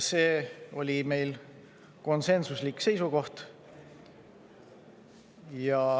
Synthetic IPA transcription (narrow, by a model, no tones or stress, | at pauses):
se̞ːo̞lʲime̞jl | ko̞nse̞nsuslikːse̞jsuko̞ht̪ | jɑ